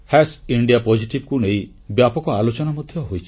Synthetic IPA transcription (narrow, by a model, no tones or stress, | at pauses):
hɛsiɳɖiapɔd͡ʒʱiʈibkunei | bjapɔkɔalot͡ʃɔnamɔd̪ʱjɔɦojt͡ʃʰi̥